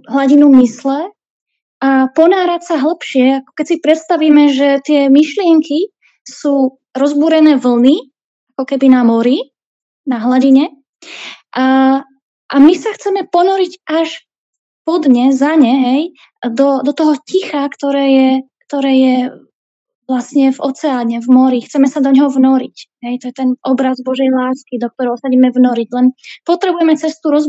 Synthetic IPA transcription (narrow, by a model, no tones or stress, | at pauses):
ɦlaɟinumislɛ | ʔapɔnaːɾacsaɦl̩pʃɪɛakɔ̥kɛcsipɾɛt̪st̪aʋiːmɛʒɛt̪ɪɛmiʃlɪɛŋki | suː | ɾɔzbuːɾɛnɛːʋl̩ni | ʔakɔkɛbinamɔɾi | naɦlaɟiɲɛ | ʔa | ʔamisaxt͡sɛmɛpɔnɔɾicʔaʃ | pɔd̪ɲɛzaɲɛɦɛj | d̪ɔd̪ɔt̪ɔɦɔcixakt̪ɔɾɛːjɛkt̪ɔɾɛːjɛ | ʋlasɲɛvɔ̰t͡sɛaːɲɛvmɔɾixt͡sɛmɛsad̪ɔɲɦɔvnɔɾḭcɦɛjt̪ɔjɛt̪ɛnʔɔbɾazbɔʒɛjlaːskid̪ɔk̚t̪ɔɾɛʊsaɟiːmɛvnɔɾiɟlɛnpɔt̪ɾɛbujɛmɛt͡sɛst̪uːɾɔz